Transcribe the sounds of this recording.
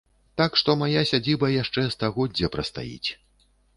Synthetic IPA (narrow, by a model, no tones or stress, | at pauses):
t̪akʂt̪ɔmajasʲad͡zʲibɐjaʂt͡ʂɛst̪aɣɔdd͡zʲɐpɾɐst̪a̰jḭt͡sʲ